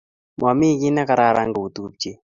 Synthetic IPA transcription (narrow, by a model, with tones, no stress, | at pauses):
ma˨mɪ˦ɡɪ˦na˦ka˨ɾa˦˨ɾa˦ŋɡo˨u˨t̪u˦p̚t͡ʃe˦